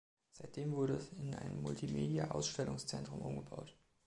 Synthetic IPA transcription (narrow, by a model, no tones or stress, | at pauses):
z̥aɪt̚d̥eːmvʊɐɾəɛsɪnʔa̰ɪnəmːʊltʰimeːdiaʔaʊsʃtɛlʊŋst͡sɛntʁ̥ʊmʔʊmɡəba̰ʊt